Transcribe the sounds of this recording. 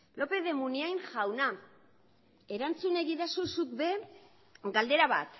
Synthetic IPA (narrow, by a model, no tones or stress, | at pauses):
lo̞pe̞ðe̞muniajnʝawna | e̞ɾant͡sune̞ɣiðasusukbe̞ | ɡald̪e̞ɾaβa̰t̪